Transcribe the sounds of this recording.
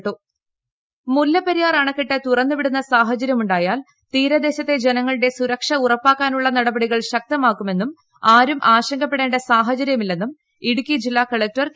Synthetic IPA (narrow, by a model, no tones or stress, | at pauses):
ʈːu | mulːɐpːɐɾijaːraːɳɐkːiʈːɨt̪urɐnːupiɽunːɐsaːɦɐt͡ɕɐɾjɐmuɳɖaːjaːl | t̪iːɾɐd̪e̞ːɕɐt̪ːe̞d͡ʑenɐŋːɐɭiɽe̞suɾɐkʂɐurɐpːaːkːaːnuɭːɐnɐɽɐbɐɽiɣɐɭɕɐk̚t̪ɐmaːkːume̞nːum | aːɾumʔaːɕɐŋɡɐpːe̞ɽeːɳɖesaːɦɐt͡ɕɐɾjɐmilːe̞nːum | iɽukʲːid͡ʑilːaːkɐɭɐk̚tɐr